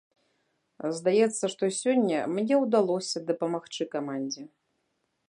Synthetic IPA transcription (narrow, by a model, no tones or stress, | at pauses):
zd̪ajɛt̪sːɐʂt̪ɔsʲɔnʲːɐmnʲɛwd̪alˠɔsʲɐd̪ɐpɐmaxt͡ʂɨkamanʲd͡zʲɛ